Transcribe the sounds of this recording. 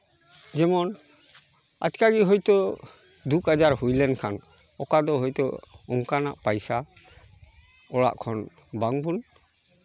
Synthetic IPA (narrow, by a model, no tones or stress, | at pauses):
d͡ʒɛmɔn | a̰tkaɡiɦɔjt̪ɔ | d̪ukad͡ʒaɾhujlɛnkʰan | ɔkad̪ɔɦɔjt̪ɔɔŋkana̰ʔpajsa | ɔa̰ʔkʰɔn | baŋbun